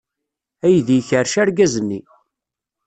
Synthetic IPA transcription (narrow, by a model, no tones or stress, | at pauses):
æjðjçəɾʃæɾɡæzənːi